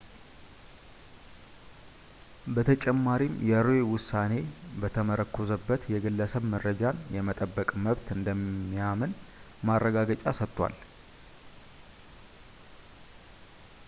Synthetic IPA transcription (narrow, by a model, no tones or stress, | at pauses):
bət̪ʰət͡ʃʼɛmːaɾimjɛɾoewʊsane̞bət̪ʰəməɾəkʰːozəbːət̪jɛɡɨlːəsəβməɾːəd͡ʒanjɛmət̪ʼəbːəkʼməβt̪ɨnd̪əmːijamən | marːəɡaɡət͡ʃʼasət̪ʼːwa̰l